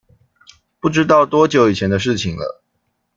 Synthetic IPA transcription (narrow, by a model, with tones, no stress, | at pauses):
pu˥˩ʈ͡ʂɻ̩˥t̪ɑ˥˨ʊt̪wɔ˥t͡ɕjo˨˩ʊi˨˩t͡ɕʰjɛ˧˥nd̪ə˧ʂ̬ɻ̩˥˩t͡ɕʰi˨ŋlə̰˦